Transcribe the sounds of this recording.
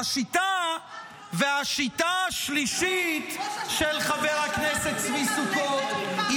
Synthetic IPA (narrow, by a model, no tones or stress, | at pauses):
aʃit̪a | veaʃit̪aʃliʃit̪ʃelχaveʁhaknese̞tt͡svisukot̪i